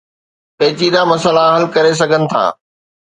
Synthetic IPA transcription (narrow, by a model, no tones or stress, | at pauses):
pɐːt͡ɕid̪amɐsəlaɦɐlkɐɾes̬ɐɡʱənɪ̆t̪ʰa̰ː